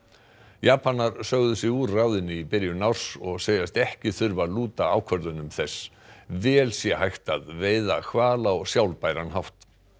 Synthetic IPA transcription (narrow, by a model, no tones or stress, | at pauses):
jaːpanːaɾ̥sœɣðʏsɛuːrawðɪnɪipɪɾjʏnawr̥sɔɣseːjðast̪ɛhcɪθʏɾvaluːt̪aaːwkʰvœɾðʏnʏmθɛs | vɛːlsjɛhajxt̪aðveːjðakʰvaːlaɔɣsjawlpajɾanɦawt̪